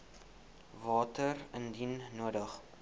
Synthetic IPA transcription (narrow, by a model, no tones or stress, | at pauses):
vɑːtərəndinːuədəχ